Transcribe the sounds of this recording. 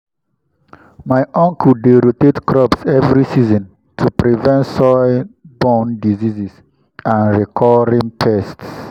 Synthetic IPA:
maɪʔɔ̃ŋkudeɾotetkɹɔpsɛvɹisizɔ̃n | tʰupɾivɛ̃ntsɔɪbɔ̃ndizizis | ãnɹikʰɔɹĩŋtʰɛsts

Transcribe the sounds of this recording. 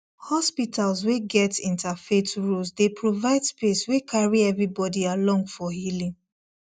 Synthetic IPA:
hɔspitʰalzweɡɛtĩntafetɹusdepɹovaɪdspeswekʰaɹiɛvɹibɔdialɔ̃ŋɡfɔhilĩŋ

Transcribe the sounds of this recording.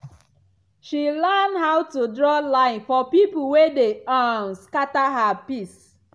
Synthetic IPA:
ʃilandhaʊtudɹɔlãɪ̃nfɔpip̩wedeanskataɦapis

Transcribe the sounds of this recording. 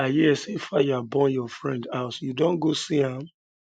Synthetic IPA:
ajɛsefajuabɔ̃njɔfɹɛ̃ndaʊtjudõnɡosiãm

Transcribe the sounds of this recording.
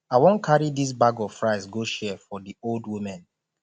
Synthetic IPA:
aɪwõnkʰaɹidis̬baɡɔvfɹaɪsɡoʃɛfɔdioldwimɛ̃n

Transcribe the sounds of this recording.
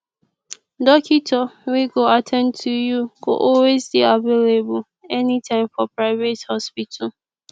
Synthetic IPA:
dɔkʰitʰɔwiɡoatʰɛ̃ntʰujuɡo̰ʔɔlwezbiavelebul | ɛnitʰãɪ̃mfɔpɹaɪvethɔspitʰə

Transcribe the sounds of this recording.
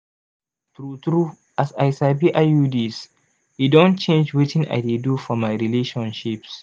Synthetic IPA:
tɾutɾu | ʔasajsabiʔajudis | hidɔnt͡ʃẽnd͡ʒwɪtʰɪ̃ŋʔa̰jdedufɔmajɾileːʃɔ̃nʃips

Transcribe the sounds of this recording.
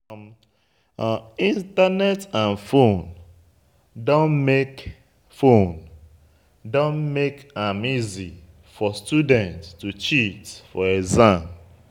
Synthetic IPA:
ĩntanɛtãnfon | dõnmek | fon | dõnmekamizi | fɔstudɛ̃ntstut͡ʃitfɔezãm

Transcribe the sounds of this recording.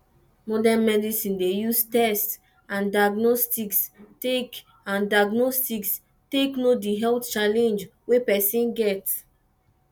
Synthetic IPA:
mɔdɛ̃nmɛdisĩndejustɛst | ãndaɡnɔstikstek | ãndaɡnɔstiks | teknodiɦɛlt͡ʃalɛ̃nd͡ʒwepɛsĩnɡɛt

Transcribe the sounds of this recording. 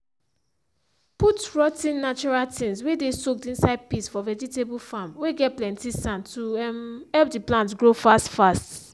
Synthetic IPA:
putɹɔtĩnːat͡ʃuɹaltʰĩnswedesok̚tĩnsaɪd̚pisfɔvɛd͡ʒitebulfamweɡɛt̚plɛ̃ntisãntumhɛlp̚diplãntɡɹofastfast

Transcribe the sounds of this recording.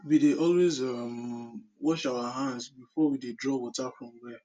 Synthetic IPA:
wideʔɔlwezɔm̩wɔʃawaɦãnzbifɔwidedɾɔwɔtafɾɔm̩ɡe

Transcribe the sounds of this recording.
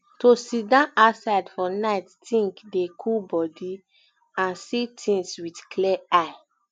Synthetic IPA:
tosidãasaɪdfɔnaɪttĩŋkdekʰubɔdi | ãnsitʰĩŋswidkʰlɛaɪ

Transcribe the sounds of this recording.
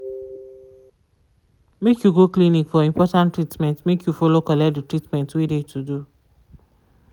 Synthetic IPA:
mekjuɡoklinikfɔĩmpʰɔtãntɹitmɛ̃ntmekʰjufɔlokɔlɛt̚ditɹitmɛ̃ntwidetʰudu

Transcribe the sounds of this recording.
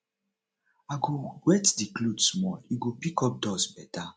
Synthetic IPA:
aɡoɡwɛtdikludsmɔliɡopikɔp̚dɔsbɛta

